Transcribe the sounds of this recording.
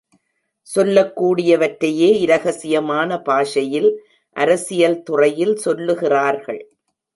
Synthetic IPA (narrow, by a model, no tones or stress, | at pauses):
sɔlːɐkːuːɽɪjɐʋɐʈɾɐjeːɪɾɐɣɐsɪjɐmaːnɐpaːʂɐjɪl | ʔɐɾɐsɪjɐlt̪ʊrɐjɪlsɔlːɯɣɪraːɾɣɐ̰ɭ